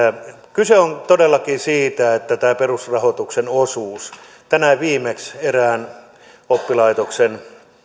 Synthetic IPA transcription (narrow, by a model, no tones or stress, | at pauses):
kyseont̪odelːɑkiːsiːt̪æet̪ːæt̪æːperusrɑhot̪uksenosuːs | t̪ænæʋiːmekseræːn | opːilɑit̪oksen